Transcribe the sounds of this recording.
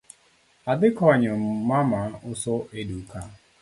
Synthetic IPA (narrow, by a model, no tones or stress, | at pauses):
adɪkɔɲʊm̩mamaʔʊsoʔeduka